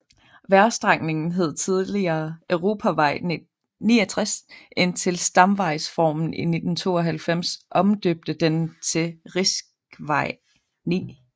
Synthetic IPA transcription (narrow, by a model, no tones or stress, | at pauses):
ʋæɐsd̥ʁɑ̈ŋ̰ne̝ŋn̩ɦe̝ð̞̰ˠt͡sʰið̞ˠliɐːʔøʊʁo̝ːpʰæʋɑ̈ɪ̰ | nḭːɒt͡sʰʁasent͡sʰe̝lsd̥ɑ̈mʋɑ̈ɪsfɒ̰ːmn̩ine̝d̥n̩t͡sʰo̝̰ːɒɦælfem̰sʔɒ̽md̥øb̥̚d̥əd̥ent͡sʰe̝ʁisɡ̥ʋɑ̈ɪ̰ | nḭː